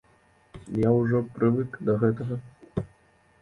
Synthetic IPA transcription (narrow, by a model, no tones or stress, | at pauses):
jawʐɔpɾɨvɨkd̪ɐɣɛt̪ɐɣɐ